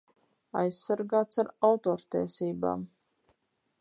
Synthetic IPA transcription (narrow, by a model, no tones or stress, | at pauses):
a̰jsːaɾɡaːt̪saɾawt̪oːɾt̪iɛsiːba̰ːm